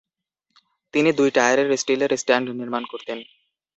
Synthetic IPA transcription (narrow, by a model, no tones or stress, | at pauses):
t̪inid̪ujʈajaɾeɾesʈileɾesʈaɳɖniɾmankoɾt̪en